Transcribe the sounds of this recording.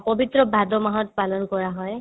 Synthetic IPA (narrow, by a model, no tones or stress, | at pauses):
pɔbit̪ɹɔbʱad̪ɔmaɦɔtpalɔnkɔɹaɦɔj